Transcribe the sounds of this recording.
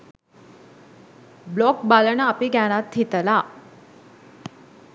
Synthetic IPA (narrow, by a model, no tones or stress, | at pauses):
blɔkbaləɳaːpiɡaɽ̃at̪ʰːit̪əla